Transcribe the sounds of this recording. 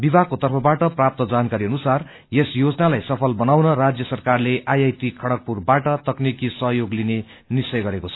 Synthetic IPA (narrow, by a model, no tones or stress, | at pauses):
bibʱakot̪ʌrpʰʌbaʈʌprap̚t̪ʌd͡zankaɾiʌnusar | jesjod͡zʌnalajsʌpʰʌlbʌnawnʌrad͡zjʌsʌrkarleʔajajt̪ikʰʌɽʌk̚purbaʈʌt̪ʌknikisʌɦjoɡline | nisʌjɡʌɾekot͡sʰʌ